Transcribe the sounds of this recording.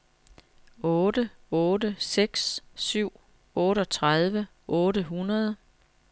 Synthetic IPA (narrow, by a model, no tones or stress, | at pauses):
ɔːɾəɔːdəseɡ̥sːyʊ̰ | ɔːɾəɒ̽t͡sʰʁað̞ˠʋə | ʔɔ̽ːɾəɦunɐð̞ˠ